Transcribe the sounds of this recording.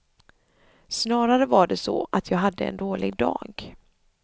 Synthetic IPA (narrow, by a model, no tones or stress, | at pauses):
snɑːɾaɾəvaɖɛsɔ̰ʔat̪ʰjɑːɡɦad̪ːəɛ̰nd̪oːlɪɡ̚d̪ɑ̰ːɡ